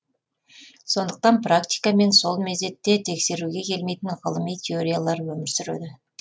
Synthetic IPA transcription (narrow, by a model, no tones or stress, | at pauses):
so̞nd̪əq̚t̪ɑnprakt̪ʲijkame̞nso̞lˠmezd̪e̞t̪ːe̞t̪ʰe̞kse̞ɾuɡʲe̞kʲʰe̞lme̞jt̪ɪnʁəlˠəmijt̪ʲʰe̞oɾʲijalˠɑɾwɵmɪɾsʏɾḛd̪ɪ